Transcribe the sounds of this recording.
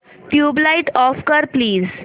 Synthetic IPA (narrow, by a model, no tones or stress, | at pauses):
ʈjuːblaiʈɔfkəɾpliːz